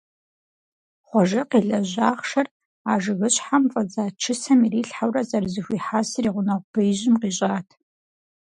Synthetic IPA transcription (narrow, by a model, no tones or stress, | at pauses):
χʷɔʒɪqiɮɐʑaːχʂɐr | aːʐɨɣɨɕħamfʼɐd͡zaːʈ͡ʂʰɨsɐmiriːɬħawrɐzɐrzɨxʷiːħasriːʁʷʊnɐʁʷb̥ejʒɪmqiːɕʼaːtʰ